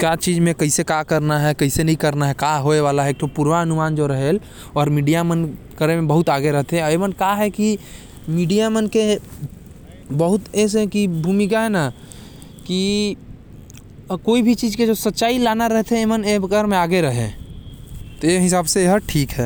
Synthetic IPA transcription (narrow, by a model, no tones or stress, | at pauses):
kat͡ʃiːd͡ʒmẽkɐɪsekakəɾnaɦɛkəɪsenəɦĩkəɾnaɦɛkaɦoeʋaːlaɦɛeːk̚t̪opuːɾwaɐnʊmaːnd͡ʒoɾəɦel | ɔːɾmiːɖijamən | kəɾemẽbəɦʊt̪aːɡeɾəɦt̪ɦɛ̃emənkaɦɛki | miːɖijamənke | bəɦʊt̪ɛs̬kibʱumɪk̬aɦɛna | ki | koːibʱit͡ʃiːd͡ʒked͡ʒosətːʃaːilaːnaɾəɦt̪ɦɛ̃eːmənekəɾmẽaːɡeɾəɦḛ̃ | t̪oeɦɪsaːbseeɦəɾʈʰiːkɦɛː